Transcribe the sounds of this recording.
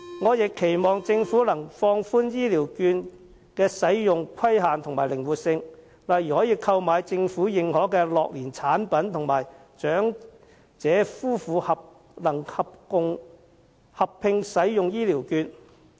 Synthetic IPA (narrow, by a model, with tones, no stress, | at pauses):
ŋɔː˨˧jɪ˨kʰːe˨˩jmɔː˨ŋt͡sɪ˧ŋfuː˨˥lɐ˨˩ŋfɔː˧ŋfuː˥njiː˥liː˨˩wkyː˧n | kɛː˧sɐ˨˥jjʊ˨ŋkʰwɐ˥jɦaː˨nt̪ʰʊ˨˩ŋmaː˨˩jlɪ˨˩ŋwuː˨t̚sɪ˧ŋ | laː˨˩jy˨˩hɔː˨˥jiː˧kʰɐ˧wmaː˨˧jt͡sɪ˧ŋfuː˨˥jɪ˨ŋhɔː˨˥kɛː˧lɔː˨k̚liː˨˩nt͡sʰaː˨˥npɐ˨˥nt̪ʰʊ˨˩ŋmaː˨˩j | t͡ʃœː˨˥ŋ | t͡sɛː˨˥fuː˥fuː˨˧hɐ˨p̚ | lɐ˨˩ŋhɐ˨p̚kʊ˧ŋ | hɐ˨pʰːɪ˧ŋsɐ˨˥jjʊ˨ŋjiː˥liː˨˩wkyː˧n